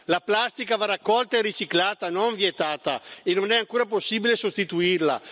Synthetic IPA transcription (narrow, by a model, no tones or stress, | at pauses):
laplast̪ikavaɾakːɔlt̪aerit͡ʃiklaːt̪anoɱvjet̪aːt̪aenonɛaŋkuːɾap̬osːiːbilesost̪it̪uirla̰